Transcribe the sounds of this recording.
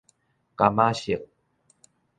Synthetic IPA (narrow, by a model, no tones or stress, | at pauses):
kamaɕiq̚